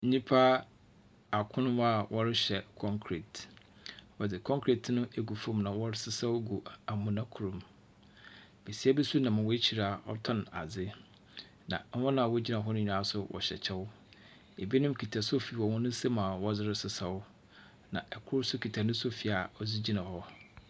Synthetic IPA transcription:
n̩˦ɲĩ˦pʰa˦ | a˨kʰʊ̃˦nʊ̃˦a˦˨wʔɔ˦ɾɪ˦ɕɛ˨kʰɔ̃˦ŋkʰɾi˨t | wɔ˨dɪ˨kʰɔ̃˦ŋkʰɾe˨tʰnʊ̃˦ʔe˦ɡu˨fõ˦mnã˨wɔ˦ɾɪ˦sɪ˦sa˦wɡu˨a˨mʊ̃˨nã˦kʰu˨ɾũ˨m | be˨si˦a˦be˦su˦nã˨mã˨wɔ˦t͡ɕʰi˨ɾa˨ɔ̰˦tʰɔ̃˦na̰˨d͡zɪ˦ | nã̰˨˦hɔ̃˦nã˨wɔ˦d͡ʑi˦nã˨ɦɔ˦nʊ̃˦ɲᶣ˨a˨˦sʊ˦wɔ̰˨ɕɛ̰˨t͡ɕʰɛ˦wʊ˦ | e˨bi˦nʊ̃˦m˦kʰi˨tʰa˨so˦fi˨wɔ˨wʊ̃˦nʊ̃˦se˦mã˨wɔ˦d͡zɪ˦ɾɪ˦sɪ˨sa˦wʊ˦ | nã̰˨ɛ˨kʰʊ˦ɾsʊ˦kʰi˨tʰa˨nʊ̃˦so˦fi˨a˨ɔ˦d͡zi˦d͡ʑi˦nã˨hɔ˦

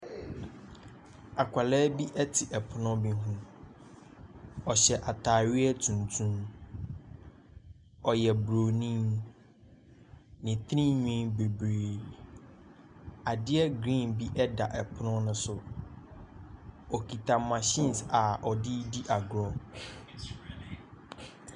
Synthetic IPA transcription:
a˨kʷʰa˨lɛː˦bi˦ʔɛ˦tʰɪ˨ʔɛ˨pʰʊ˦nʊ̃˦bi˦ɦũ˦ | ɔ˨ɕɛ˨ʔa˨tʰaː˨ɥɪ˦ɛ˦tʰũ˨ntʰũ˦m | ɔ˨jɛ˨bɾo˨nĩ˦n | nɪ̃˨t̪ʰɾĩ˦ɲᶣĩ˦be˨bɾeː˨ | a˨dɪ˦ɛ˦ɡɾĩ˦˨nbi˦ʔɛ˦da˨ʔɛ˨pʰʊ˦nʊ̃˦nʊ̃˦sʊ˨ | ɔ˨kʰi˨tʰã˨mːã˨ɕĩ˦˨nsa˨ʔɔ˨dɪ˦di˦ʔa˨ɡɾɔ̃˦

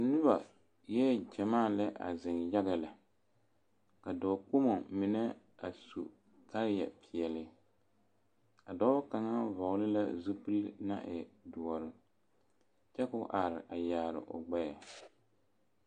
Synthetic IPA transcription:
nɨ˦βa˨ | jɛ˦˨d͡ʒɛ˨maː˦˨lɛ˦ʔa̰˨zɪ˨nja˦ɣɪ˨la˨ | ka˨dɔː˨k͡pu˦mo˨mɪ˨nɛ˦ | a˨sṵ˨ | ka˦ɾjɛ˨pɪ˨ɛ˨lɪ˦ | a˨dɔ˦ka˨ŋa˦vɔ˨ʊ˦lɪ˦la̰˦zu˦pɨ˦lna̰˦ʔɪ˨dʊ˨ɔ˨ɾɨ˨ | t͡ʃɛ˦kʊ˦ʔa˨ɾɪ˨ʔa˨jaː˨ɾɪ̰˨ʔʊ̰˨ɡ͡ba˦ja˨

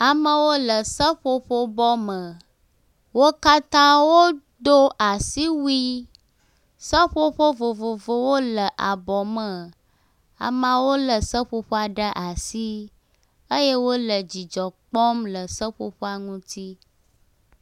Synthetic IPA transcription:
a˨mə˦wo˦lə˨sə˦ɸo˦ɸo˦bɔ˦mə˨ | wo˦ka˦t̪ã˦wo˦ | d̪o˦a˨si˦wi˦ | sə˦ɸo˦ɸo˦vo˨vo˨vo˦wo˦lə˨ʔa˨bɔ˨mə˨ | a̰˨mã˦wo˦lə˨sə˦ɸo˦ɸo˦a˨ɖə˦ʔa˨si˦ | ə˦je˦wo˦lə˨d͡ʑi˨d͡ʒɔ˨k͡pɔ˦mlə˨sə˦ɸo˦ɸo˦a˨ŋũ˦t̪i˦

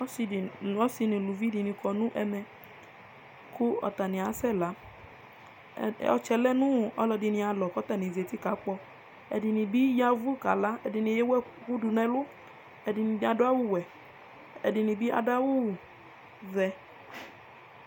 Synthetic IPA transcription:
ɔ˦si˧nɪ̃˨lu˨vi˦di˨nɪ̃˨kʰɔ˨nʊ̃˦ʔɛ˧mɛ˧ | kʰʊ˦ɔ̰˨t̪a˨nɪ̃˨a˨˦sɛ˦˨la˨˦ | ɔ̰˨t͡ʃɛ˨lɛ˦nʊ̃˦˨ɔ̰˦lɔ˧dɪ˧nɪ̃˧a˨lɔ˨kɔ˦t̪a˨nĩ˨ze˨ti˦ka˨˦k͡pɔ˧ | ɛ̰˨dɪ˨nɪ̃˨bi˦ja˦vu˦˨ka˨la˦ɛ˨dɪ˨nɪ̃˨jɛ˦wɛ˦ku˦du˨nɛ̃˨lʊ˦ | ɛ˨dɪ˨nɪ̃˨bi˦a˨dʊ˦a˦wʊ˦˨wɛ˨ | ɛ̰˨dɪ˨nĩ˨bi˦ʔa̰˨da˦wʊ˦˨ | zɛ˧

